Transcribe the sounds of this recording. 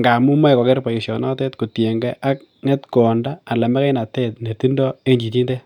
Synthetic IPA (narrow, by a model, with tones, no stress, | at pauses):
ŋɡa˨mu˦ma˦ɛ˨kɔ˨kɛ˦ɾpa˨i˨sjɔ˨nɔ˦tɛ˦tku˨tje˨ŋɡɛ˦ʔa˦k̚ | ŋɛ˦tkɔ˨ndaː˦˨lɛ˨mɛ˦kɛ˦na˨tɛ˦t̚ne˨ti˦ndɔ˦e˦ɲd͡ʒi˨ti˦nde˦